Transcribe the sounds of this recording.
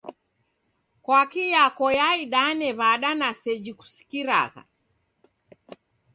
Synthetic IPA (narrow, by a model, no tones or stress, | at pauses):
kwakijakɔjaiɗanɛβaɗanasɛd͡ʒiku̥si̥kiɾa̰ɣa̰